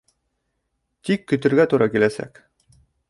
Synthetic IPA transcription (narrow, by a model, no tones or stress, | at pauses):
t̪ikːɵ̆t̪ɵ̆ɾɡæt̪uɾɑkilæsæ̰k